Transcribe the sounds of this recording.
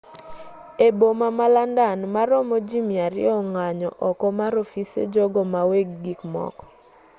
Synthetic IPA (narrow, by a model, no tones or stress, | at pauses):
ebomamalandanmaɾɔmod͡ʒimiaɾɪ̰ɔŋaɲɔ̰ʔɔkɔmaɾofisḛd͡ʒɔɡɔmaweɡːikmɔ̰kɔ̥